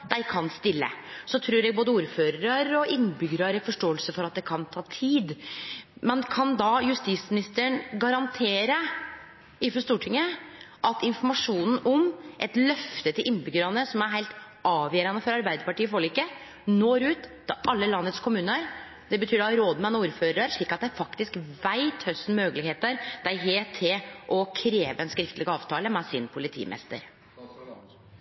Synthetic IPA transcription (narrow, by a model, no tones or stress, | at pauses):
d̪̥æɪkʰɑnst̪ɪlːə̰sɔt̪ʰɾʉːɾɛːɡ̚boːd̪əuːɾføːɾəɾɑɾɔʔɪnːbʏɡɾɑɾəfɔʂʈoːəlsəfɔɾɑt̪̚d̪ɛkʰɑnt̪ʰɑːt̪ʰiːd̪ | mɛnkʰɑnd̪ɑjʉst̪ismɪnɪst̪əɳɡɑɾɑnt̪ʰeːɾə | ɪfɔʂt̪uːʈʰɪŋːəʔɑt̪ɪnfɔmɑʂuːnn̩ɔmʔɛt̪lœft̪ət̪ɪlʔɪnbʏɡəɾɑnəsɔmæɾɦæɪlt̪ | ɑːʋjeːɾɑnəfɔɾɑɾbæɪd̪əɾpɑʈiːfɔɭikːə | noːɾʉːt̪d̪̥ɑʔɑlːəlɑnːət̪skʰʊmʉːnəəɾ | d̪ɛbət̪ʰyːɖɔɾoːd̪mɛnɔuːɾføːɾɾɑɾʂɭiːkːɑt̪̚d̪ææɾfɑkt̪ɪskʋæɪt̪hœsn̩møːɡəlɪheːt̪əɾd̪̥æɪɦeːt̪ʰːɪlʔɔkʰɾeːʋəɛnskɾɪft̪lɪɡəɑːʋt̪ʰɑːləmɛsɪnpʰʊlɪt̪ʰḭːmʔɛ̰st̪ə̰ɾ